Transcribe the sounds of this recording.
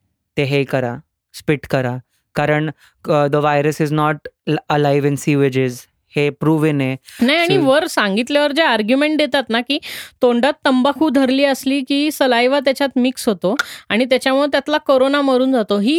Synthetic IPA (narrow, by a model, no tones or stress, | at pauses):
t̪eɦekəɾa | spiʈkəɾa | kaɾəɳ | d̪əʋajɾəsɪznɔʈəlajʋɪ̃nsiʋed͡ʑɪz | hepɾuʋenenajaɽ̃iʋəɾsãŋɡit̪ljaʋəɾd͡ʑeaɾɡjumẽɳʈ̚d̪jet̪at̪nakiːt̪õɳɖat̪ːəmbakʰuːd̪ʱəɾliːəsliːkiːsəlajʋat̪jat͡ɕjat̪miksɦot̪oaɽ̃it̪̬jat͡ɕjamuɭet̪jat̪lakoɾonaməɾuːnd͡zat̪oɦiː